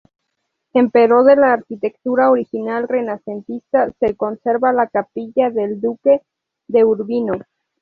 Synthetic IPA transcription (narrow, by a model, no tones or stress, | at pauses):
empeɾo̞ðe̞laːɾkit̪e̞kt̪uɾaoɾixinalre̞nase̞nt̪ist̪ase̞ko̞nse̞ɾβalakapiʝaðeld̪uke̞ | ðe̞uɾβino̞